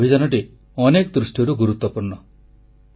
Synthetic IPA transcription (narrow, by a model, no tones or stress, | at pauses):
id͡ʒanɔʈi | ɔnekɔd̪ɾusʈjɔɾuɡuɾut̪wɔpuɾɳɔ